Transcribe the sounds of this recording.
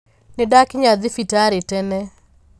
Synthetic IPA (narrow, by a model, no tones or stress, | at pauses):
nɪdakɪɲad̪ɪfitaɾɪtɛnɛ